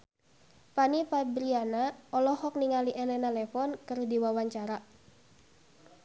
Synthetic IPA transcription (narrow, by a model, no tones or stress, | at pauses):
panipabɾianaɔlɔhɔk̚niŋaliʔɛnɛnalɛfɔnkəɾudiwawaɲt͡ʃaɾa